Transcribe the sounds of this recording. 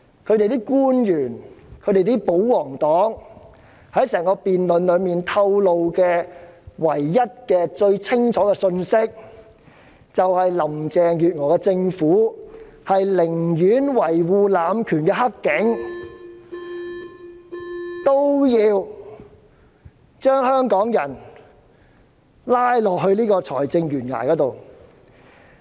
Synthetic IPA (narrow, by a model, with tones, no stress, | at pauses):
kʰɵ˨˧t̪e˨jt̪iː˥kuː˥njyː˨˩nkʰɵ˨˧t̪e˨jt̪iː˥po˨˥wwɔː˨˩ŋt̪ɔː˨˥ŋ | hɐ˨˥jsɛː˨˩ŋkɔː˧piː˨nlɵ˨˧nlɵ˨˧ɥmiː˨nt̪ʰɐ˧wlo˨wkɛː˧wɐ˨˩jːɐ˥t̚kɛː˧t͡ʃɵ˧ɥt͡sʰɪ˥ŋt͡ʃʰɔː˨˥kɛː˧sɵ˧nsɪ˥k̚ | t͡sɐ˨whɐ˨jlɐ˨˩mt͡sɛː˨ŋjyː˨t̚ŋɔː˨˩kɛ˧t͡sɪ˧ŋfuː˨˥ | hɐ˨jlɪ˨˩ŋjyː˨˥nwɐ˨˩jwuː˨laː˨˧mkʰyː˨˩nkɛː˧ɦɐ˥kːɪ˨˥ŋ | t̪o˥wjiː˧w | t͡ʃœː˥ŋhœː˥ŋkɔː˨˥ŋjɐ˨˩n | laː˥jlɔː˨k̚hɵ˧ɥniː˥kɔː˧t͡sʰɔ̰ː˨˩jt͡sɪ˧ŋjyː˨˩nŋa̰ː˨˩jkɔː˨˥t̪o˨w